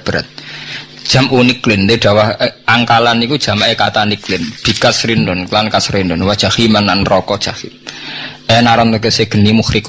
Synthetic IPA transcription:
b̥əɾat̪̚d̥ʒ̥a̤mʔuniklɪnd̪eɖ̥a̤wahʔaŋkalanikud̥ʒ̥a̤maʔekat̪aniklɪnb̥i̤kasɾindɔnlankasɾindɔnwḁʒ̥ahimanːanrɔkɔ̥ʒ̥ahim | enaɾamt̪ak̬eseɡ̥ə̤nimuxɾik

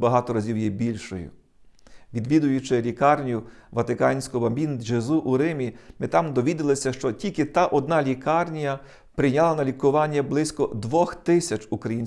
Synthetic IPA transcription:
bɐɦɑt̪ɔɾɐzʲiwjibʲilʲʃɔjʊ̰ | ʋʲid̪ʋʲid̪ʊjʊt͡ʃɪlʲikɑrnʲjʊʋɐt̪ɪkɑnʲsʲkʊɔbɐmbʲind̪d͡ʒezuʔuɾɪmʲimɪt̪ɑmd̪ɔʋʲid̪ɪlˠɪsʲɐʃt͡ʃɔtʲilʲkɪt̪ɑʔɔd̪nɑlʲikɑrnʲijɐ | pɾɪjnʲalˠɐnɐlʲikʊʋɑnʲːɐblˠɪsʲkɔd̪ʋɔxt̪ɪsʲɐt͡ʃukɾɐjinʲ

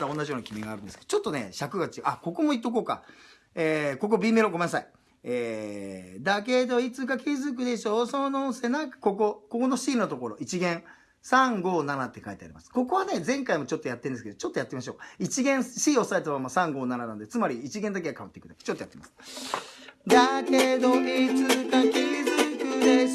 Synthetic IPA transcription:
t̪ao̞nːaʑijo̞ːnakʲimʲiɡaːɾɯ̟nd̪esɨ̥ke̥ot͡ɕot̪ːo̞nḛɕakɯ̟ɡat͡ɕiʔako̞ko̞mo̞it̪ːoko̞ːka̰ | eːko̞k̬o̞bʲiːme̞ɾoɡo̞menasai | eː | d̪ak̬e̞d̪o̞it͡sɨkakʲizɨk̬ɯ̟d̪e̞ɕo̞ːsonosenãŋkḁko̞k̬o̞ko̞kono̞ɕiːnot̪o̞ko̞ɾo̞ʔit͡ɕiɡẽ̞ŋ | sãŋɡo̞ːnanat̪ːe̞kait̪ea̰ɾʲḭmasɨ̥ko̞ko̞βane̞d͡zzẽ̞ŋkaimo̞t͡ɕo̞t̪ːojat̪ːẽ̞nd̪sɨ̥ke̞d̪ot͡ɕo̞t̪ːojat̪ːeimaɕ̬o̞ːkait͡ɕiɡẽ̞ɰ̃sɕiːo̞saet̪̬oβamasãŋɡo̞ːnananã̰nd̪et͡sɨmaɾʲiːt͡ɕiɡẽ̞nd̪ak̬e̞ɡakaβat̪ːekɯ̟t̪ḁ̰ke̥t͡ɕot̪ːojat̪ːemasɨ̥ | d̪aked̪o̞it͡sɨkakʲizɨkɯ̟d̪e

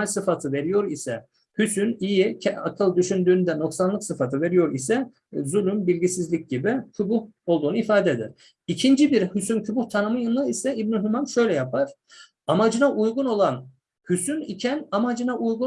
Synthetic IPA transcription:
lʲsɯfat̪ʰɯve̞ɾijo̞ɾisɛ | hysynijicʰɛa̰kʰɯlˠd̪yʃynd̪yːnd̪ɛno̞ksanlˠɯksɯfat̪ʰɯve̞ɾijo̞ɾisɛ | zulʲymbilʲɟisizlʲic̚ɟibicʰybuho̞lˠd̪uːnuifaːd̪ɛd̪ḭɾ̥ | icʰind͡ʒibiɾhysyncʰybuht̪ʰanɯmɯjɯnˠɯisɛibnyɦumanʃø̞jlʲɛjapʰaɾ̥ | amad͡ʒɯnaʔujɡuno̞lˠan | hysynicʰɛnamad͡ʒɯnaʔujɡu

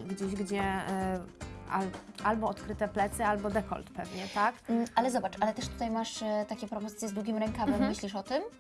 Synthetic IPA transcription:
ɡd͡ʑeɕɡd͡ʑɛ | a̰lalbɔɔt̪kɾɘt̪ɛplɛt̪sɛalbɔd̪ɛkɔ̰lt̪pɛvɲɛt̪ak̩alɛzɔbat͡ʂalɛt̪ɛʂt̪ut̪ajmaʂt̪akʲɛpɾɔpɔzɘt̪ʲjɛzd̪wuɡʲimɾɛŋkamɛmːɘɕlʲiʂɔt̪ɘm

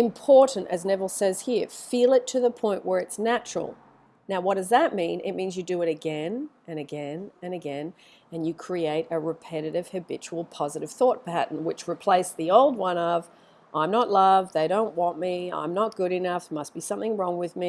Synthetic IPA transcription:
ɨ̃mpʰɔɹʔn̩tɨ̰znɛvl̩ˠsɛz̥hiɹfilˠɨtʰɨðəpʰɔ̃ɪ̃nʔwə˞ɨtsnæt͡ʃɹ̥̰l̩ˠ | naʊwʌt̚d̥ʌzðɨt̚mĩnɪ̰t̚mĩnzjɨdɨɨɾɨɡɛ̃nʔɨ̃nɨɡɛ̃nɨ̃nɨɡɛ̃n | ɨ̃njɨkʰɹ̥ieɪɾɨɹɨpʰɛɾɨɾɨv̥hɨbɪt͡ʃul̩ˠpʰɑzɨɾɨv̥θɔt̚pʰæʔn̩wɨt͡ʃɹɨpʰl̥eɪsðioʊlˠd̚wʌ̃nʌv | ʔãɪ̃mnətˡlʌvðeɪɾõʊ̃nʔwɑ̃nmiã̰ɪ̃mnət̚ɡ̥ʊɾɨnʌfmʌst̚b̥isʌ̃mθɪ̃ŋɹɔ̃ŋwɨðmi

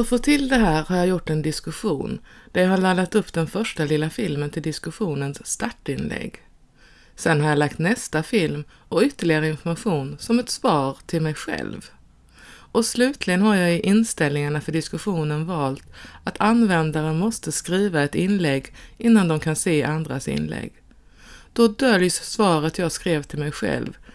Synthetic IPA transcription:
ɔfoːt̪ʰɪld̪ɛɦæːɾhaɾjɑjʊʈːɛnd̪ɪskɵɧuːnd̪̥æɾjɑɦaɭalːat̪ɵpːd̪ɛnfœʂʈalɪlːafɪlmənt̪ʰɪld̪ɪskɵɧuːnənsːt̪aʈːɪnlɛ̰ɡː | sɛnhaɾjɑlakt̪nɛst̪afɪlm | ɔʏt̪ːəɭɪɡaɾəɪnfɔɾmaɧuːnsɔmɛt̪svɑːɾt̪ʰɪlmɛjɧɛ̰lv | ʔɔslʉ̟ːt̪ʰlɪɡənɦaɾjɑːɪʔɪnst̪ɛlnɪŋaɳafœɖɪskɵɧuːnənvɑːlt̪at̪ʰanvɛnd̪aɾəmɔst̪əskɾiːvaɛt̪ɪnlɛɡːɪnːand̪ɔmkʰanseːʔand̪ɾasɪ̰nlɛ̰ɡː | d̪̥ɔd̪œljssvɑːɾət̪ʰjɑːɡskɾeːvt̪ʰɪlmɛjɧɛ̰lv

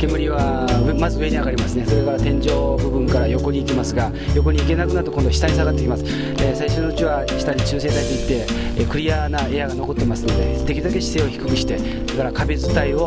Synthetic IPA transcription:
ke̞mɯ̟ɾʲiβa | mazɨɯe̞ɲʲiaɡaɾʲimasɨne̞so̞ɾe̞kaɾat̪ẽ̞ɲ̟d͡ʑo̞ːbɯ̟bɯ̟̃ŋkaɾajo̞ko̞ɲ̟iːkʲimasɨɡa | jo̞k̬o̞ɲ̟iːke̞nakɯ̟naɾɯt̪oko̞nd̪o̞ɕi̥t̪aɾʲis̬aɡat̪ːe̞kʲimasɨ̥ | esaiɕonoɯ̟t͡ɕiβa | ɕi̥t̪aɾʲit͡ɕɨːse̞t̪aid̪eit̪ːe̞ | kɯ̟ɾʲijanae̞jaɡano̞ko̞t̪ːe̞masɨ̥no̞d̪e̞̰t̪ekʲiɯd̪ake̞ɕi̥se̞ːo̞çi̥kɯ̥kɯ̟ɕi̥t̪e̞ | soɾekaɾakabezɨt̪aio̞

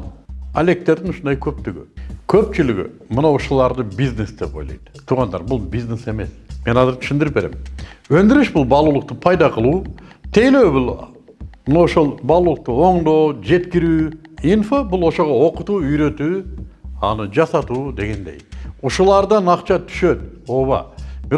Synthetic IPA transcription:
a̰le̞k̚t̪e̞ɾd̪ɪnʊʃʊnd̪ɑjkʲʰøp̚t̪ʏɡʲɪ̰kʲʰøpt͡ʃɪlɪɡʲɪ̰mənɑwʊʃulˠɑɾd̪əbiznesd̪epo̞jlˠɑ̰jd̪̥ə̥t̪ʰuʁɑnd̪ɑ̰ɾbʊlˠbiznese̞me̞sme̞nɑzɪɾt̪ʰʏ̥ʃɪnd̪ɪɾɪpbe̞ɾe̞̰mwɵnd̪ɪɾɪʃbʊlˠbɑlˠulˠəq̚t̪əpʰɑjd̪ɑqʰəlˠut̪ʰe̞jlewbulˠ | mnɑwoʃolˠbɑlˠuːlˠəq̚t̪əo̞ɴd̪o̞wd͡ʒe̞t̪kʲɪɾyːinfobulˠoʃo̞ʁɑo̞qʊt̪uːʏjɾø̞t̪uːɑnɨd͡ʒɑsɑt̪ud̪e̞ɡʲe̞nd̪e̞̰juʃulˠɑɾd̪ənɑqt͡ʃɑt̪ʰʏ̥ʃø̞t̪o̞βɑ̰bɪ

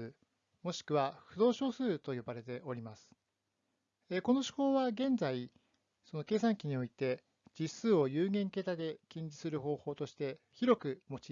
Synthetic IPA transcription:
ɨ | mo̞ɕi̥kɯ̟βaɸɯ̟d̪o̞ːɕo̞ːsɨːt̪o̞jo̞baɾe̞t̪e̞ʔo̞ɾʲimasɨ̥ | eko̞no̞ɕi̥ho̞ːβaɡẽ̞nzai | so̞no̞ke̞ːsãŋkʲiɲ̟io̞it̪e̞ | d͡ʑisɨːo̞jɯːɡẽ̞ŋke̞t̪ad̪e̞kʲĩɲ̟d͡ʑi̥sɨɾɯ̟ɦo̞ːho̞ːt̪o̞ɕi̥t̪e̞ | çiɾo̞kɯ̟mo̞t͡ɕi

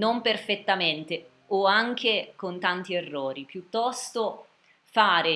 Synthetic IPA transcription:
nomperfet̪ːament̪e | oaŋk̟ekont̪ant̪ierːɔːɾipjut̪ːɔst̪o | faːɾe

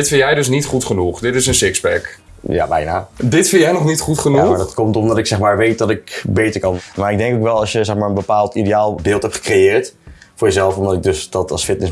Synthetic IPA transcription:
ɪtfɪnjɛjdøsnitχutχənuχdɪtɪsənsɪksbɛk | ja̰bɛ̰jnadɪtfɪnjɛjnɔχnitχutχənuaadɔtkɔmtɔmdɔtɪksɛxmaːɹʋejt̚dɔtɪkbeːtəɹkɑnmaːɹɪɡ̚dɛŋkokʋɛlˠɑsjəsɛxmaːɹənbəpaːlˠtideaːlˠbɪːlˠthɛpχə̥krejɪːɹtfʊːɹjəzɛlˠfɔmdɔtɪɡ̚døsdɔtɑ̰sfɪt̚nəs

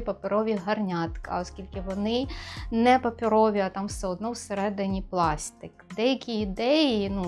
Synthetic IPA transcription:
pɐpʲɪɾɔʋʲiɦɐrnʲat̪kɐ̰ɔskʲilʲkɪʋɔnɪnɛpɐpʲɪɾɔʋʲiɐt̪ɑmwsɛɔd̪nɔwseɾɛd̪ɪnʲiplˠɑsʲt̪ɪkd̪ɛjɐkʲiːd̪ɛjinu

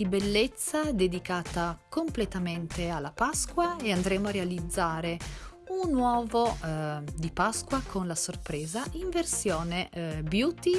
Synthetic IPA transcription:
ibelːet̪sːad̪ed̪ikaːt̪akomplet̪ament̪ealːapaskwaeand̪ɾɛːmoarealid̪zːaːɾe | unːwɔːvo | d̪ipaskwakʰonlasorpɾɛːzaʔiɱversjɔːnebjuːt̪i

